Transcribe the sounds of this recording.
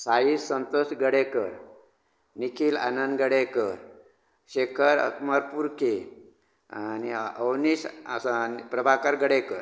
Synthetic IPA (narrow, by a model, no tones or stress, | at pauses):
sajisːənt̪osɡəɽekəɾ | nikʰiːla̰nənɡəɽekəɾ | ɕekʰəɾə̰kmaɾpuɾke | aniəwnisnpɾəbʱakəɾɡəɽekəɾ